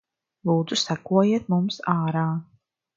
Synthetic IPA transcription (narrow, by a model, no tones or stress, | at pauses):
lˠuːd̪zusækuɔjiɛt̪̚mumsaːɾaː